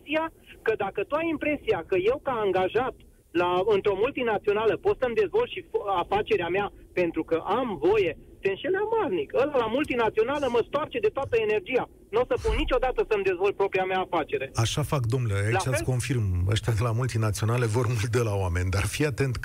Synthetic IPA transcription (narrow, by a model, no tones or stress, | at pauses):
sia | kəd̪akət̪uajimpɾe̞sijakəje̞wkaːŋɡaʒat̪ | laɨnt̪ɾo̞mult̪inat̪sio̞naləpo̞t̪səmd̪e̞zvo̞lt̪ʃifafat͡ʃe̞ɾeamea | pe̞nt̪ɾukəʔamvo̞je̞t̪e̞ɨnʃe̞lamarnikəlalamult̪inat̪sio̞naləməst̪oart͡ʃe̞d̪e̞t̪oat̪əene̞rd͡ʒija | nosəpunnit͡ʃʲo̞d̪at̪əsəmd̪e̞zvo̞l̚pɾo̞pɾiameaːfat͡ʃe̞ɾe̞aʃafakd̪o̞mnleailat͡ʃasko̞nfirmə̰ʃt̪ad̪elamult̪inat̪sio̞nale̞vo̞rmuld̪əlawame̞nʲd̪a̰rfiat̪e̞nt̪